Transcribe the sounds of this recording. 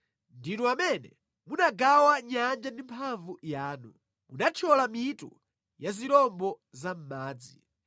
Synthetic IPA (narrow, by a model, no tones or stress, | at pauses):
ndinuamɛnɛ̰ | munaɡawaɲand͡ʒandimpʰaɱvujaːnu | munat͡ʃʰɔlamitṵ | jaziɾɔmbɔ | zam̩maːd͡zi